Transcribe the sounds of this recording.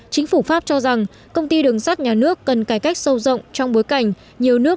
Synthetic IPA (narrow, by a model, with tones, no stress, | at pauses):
t͡ɕï˨˦ŋ̟fu˧˩faː˦˥p̚t͡ɕɔ˧za˨˩ŋ | kə˧wŋ͡mt̪i˧ɗɨ˨˩əŋsa˦˥t̚ɲaː˨˩nɨ˦˥əkːə˨˩nkaː˧˩jka˦˥jk̟̚sə˧wzə̰˧˨wŋ͡mt͡ɕɔ˧wŋ͡mɓo˨˦jka˧˩jŋ̟ | ɲi˨˩əwnɨ˦˥ə